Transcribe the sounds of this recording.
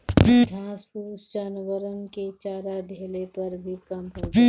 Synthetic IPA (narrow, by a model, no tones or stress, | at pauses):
d̪ʱjãːspuːsd͡ʒaːnʋəɾənket͡ʃaːɾad̪ʱeːlepɐɾbʱikɐmɦoː